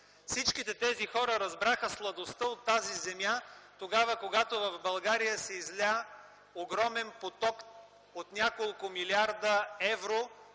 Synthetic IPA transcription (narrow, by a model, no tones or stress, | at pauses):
fsit͡ʃkit̪ɛt̪ɛzixɔɾəɾɐzbɾaxəslˠɐd̪ost̪əot̪ːazizɛmjat̪oɡavəkoɡat̪ovɐvbɐlˠɡaɾijəsɛizla | oɡɾɔmɛnpot̪ɔk | ot̪nʲakolˠkʊmiliaɾd̪əɛvɾo